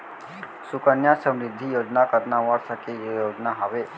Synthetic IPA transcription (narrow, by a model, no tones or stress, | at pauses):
sukənjasə̃mɾɪd̪ʱːijoːd͡ʒnakəɾnaʋəɾsəkejoːd͡ʒnaɦɐʋe